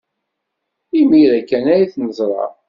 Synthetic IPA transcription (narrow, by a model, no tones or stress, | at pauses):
imiɾækːænæjθnəzˤɾˤɑ̰